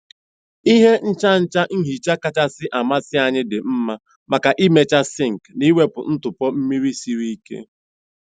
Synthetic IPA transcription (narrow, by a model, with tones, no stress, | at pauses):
i˦ɦe˦n̩˦t͡ʃa˦n̩˦t͡ʃa˦ŋ̩˦ɦi˨t͡ʃa˦ka˦t͡ʃa˦sɪ˦ʔa˨ma˦sɪ˦a˨ɲɪ˦dɪ˨m̩˦ma˦ | ma˨ka˨ʔi˦me˨t͡ʃa˦sɪ˦˨ŋ̩˨kni˦we˦pʊ̰˨n̩˦tʊ˨pɔ˦m̩˦mi˦ɾi˦si˦ɾi˦i˦kḛ˦